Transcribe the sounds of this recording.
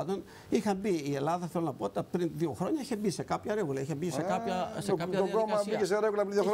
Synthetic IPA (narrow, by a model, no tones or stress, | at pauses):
t̪on | ixɐmbiːe̞lɐðɐθelonɐpoot̪t̪ɐpɾinðioxɾo̞ɲɐiçebise̞kɐpçɐɾeɣulɐiçebisekɐpçɐsekɐɐoɡomɐsbikes̬eɾeɣulɐpɾinðio